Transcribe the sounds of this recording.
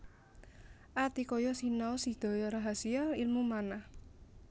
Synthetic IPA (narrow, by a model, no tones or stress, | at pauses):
ʔat̪ikɔjɔsinaɔsid̪̥ɔ̤jɔɾaɦasialilmumanah